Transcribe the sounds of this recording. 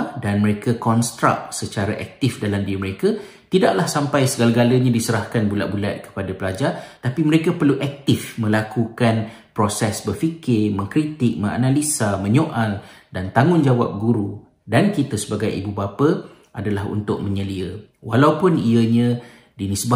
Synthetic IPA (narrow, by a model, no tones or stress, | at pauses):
danməɾekakɔnst̪ɾa̰k̚sət͡ʃaɾaʔɛ̰k̚t̪ɪfdalamdiəməɾeka | t̪idaʔlahsampajsəɡalaɡaləɲãdisəɾahkanbula̰ʔ̚bula̰t̪̚kə̥padapəlad͡ʒat̪apiməɾekapərluʔɛk̚t̪ɪfmə̃lakukan | pɾosɛsbərfikɪrmə̃ŋkɾit̪ɪk̚mə̃ŋa̰nãlisamə̃ɲoʔaldant̪aŋʊnd͡ʒawa̰p̚ɡuɾu | dankit̪əsəbaɡajḭbubapə | ʔadalaɦṵnt̪ʊk̚mə̃ɲəliəwa̰lawpʊniəɲã | dinisba